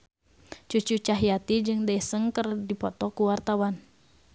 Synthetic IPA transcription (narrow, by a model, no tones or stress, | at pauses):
t͡ʃut͡ʃut͡ʃaɦijat̪id͡ʒɨŋdaɛsəŋkərdipɔt̪ɔkuwart̪awan